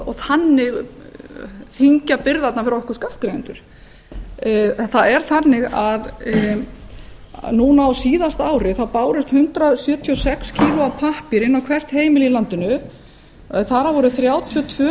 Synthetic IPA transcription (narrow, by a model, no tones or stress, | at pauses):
ɔθanːɪɣ | θiɲcapɪɾðat̪nafɪɾaɔhkʏ̥skaht̪kɾejnt̪ʏɾ̥ | θaðɛɾ̥θanːɪɣað | nuːnaawsiːðast̪aːwɾɪθawpaːwɾɪst̪hʏnt̪ɾasjœːt̪ʰiɔsɛkscʰiːlʊapʰahpɪɾɪnːawkʰvɛr̥t̪heːjmɪlilant̪ɪnʏ | θaɾavɔɾʏθɾjaːwt̪ʰiɔt̪ʰvœː